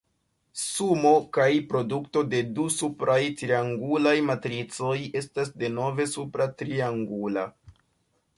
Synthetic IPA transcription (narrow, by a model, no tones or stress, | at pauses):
sumo̞kajpɾo̞dukto̞de̞dusupɾajtɾiaŋɡulajmatɾit͡so̞je̞stas̬de̞no̞ve̞supɾatɾiaŋɡula